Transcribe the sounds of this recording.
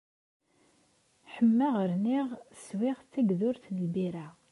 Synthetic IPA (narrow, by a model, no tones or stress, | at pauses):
ħəmːæʁəɾniʁswɪʁt͡sːæɡðʊɾθlbiɾa